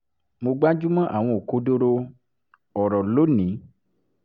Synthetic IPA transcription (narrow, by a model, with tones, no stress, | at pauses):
mo˧ɡ͡ba˦d͡ʒu˦mã˦ʔa̰˨w̃ɔ̃˧o˨ko˧˦do˦ɾo˧ | ɔ˨ɾɔ˨lo˨˦nĩ˨˦